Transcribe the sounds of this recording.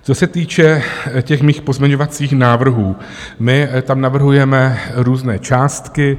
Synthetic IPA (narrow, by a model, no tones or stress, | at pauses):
t͡so̞sɛt̪iːt͡ʃɛcɛxmiːxpozmʲɛɲo̞vat͡siːxnaːvr̩ɦuː | mɪt̪amnavr̩ɦujɛmɛɾuːznɛːt͡ʃaːst̪kɪ